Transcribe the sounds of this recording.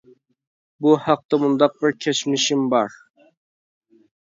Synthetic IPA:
buhɑq̚t̪ɑmund̪ɑq̚bɪɾkʲʰet͡ʃmɪʃɪmbɑɾ

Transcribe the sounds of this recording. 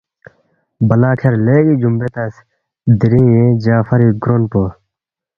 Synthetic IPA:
bɐlaːkʰeɾleːɡiːd͡ʒumbet̪ɐs | d̪iɾĩːjẽd͡ʑaːfɐɾiːɡɾonpo

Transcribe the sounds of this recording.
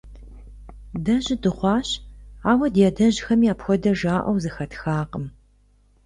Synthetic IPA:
dɐʑɪdɨχʷɑːɕaːwɐdɛdɐʑxɐmiaːpxʷɔdɐʒaːʔʷɐ̰wzɨxɐtʰxaːqəm

